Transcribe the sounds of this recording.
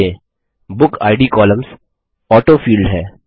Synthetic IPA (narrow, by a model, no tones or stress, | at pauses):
ẽ | bʊkʰa̰ːɪɖikɔːlə̃mz | ɔːʈoːfiːlɖɦɛː